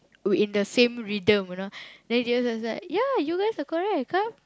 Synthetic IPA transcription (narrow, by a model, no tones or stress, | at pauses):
ĩndəsẽmɹidə̃mnodɛ̃ndiasaslaɪjajuɡaɪsakɔɹɛk̚kːap̚